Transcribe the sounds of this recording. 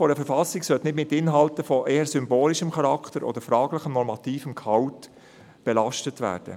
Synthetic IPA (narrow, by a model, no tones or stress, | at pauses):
fɔɾəfəɾfɑsiksœt̪nɪdmɪtːɪnɦɑltəfɔʔeːəɾsʏmboːliʃəmχɑɾɑkχt̪əɾʔɔ̰d̪əɾfɾɑːɡləχəmnɔɾmɑtiːfəmkhɑwt | b̥ɛlɑʃtətvæ̰ːɾd̥ə̰